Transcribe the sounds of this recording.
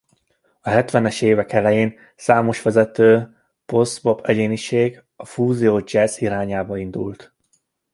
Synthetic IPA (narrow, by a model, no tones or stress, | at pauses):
ɒɦɛt̪ʋɛnɛʃeːvɛkɛlɛjeːn | saːmo̞ʃʋɛzɛt̪øː | po̞sbo̞pʰɛɟeːniʃeːɡ | ɒfuːzioːd͡ʒɛziɾaːɲaːbɒind̪ṵlt̪